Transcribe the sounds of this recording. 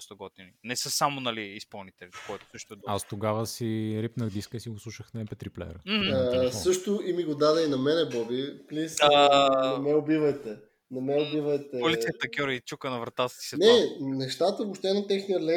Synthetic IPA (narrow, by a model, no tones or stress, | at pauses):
st̪oɡɔt̪ininɛsəsamonɐliːspɐlˠnit̪ɛlʲi̥kɔjt̪o̥sɤʃt̪oɛd̪ast̪oɡavəsiɾipnəxd̪iskəisiɡoslˠuʃəxnɐɛpɛt̪ɾiplɛ̰ɾə | sɤʃt̪ʊʔimiɡod̪ad̪ɛinɐmɛnɛbɔbiplisnɐmɛʊbivɐjt̪ɛ | nɐmɛʊbivɐjt̪ɛoliiɐt̪ɐkʲjɔɾɐit͡ʃukənɐvɾɐt̪at̪ə̥si̥sɛnɛnɛʃt̪at̪əvopʃt̪ɛnɐt̪ɛxnijəlɛ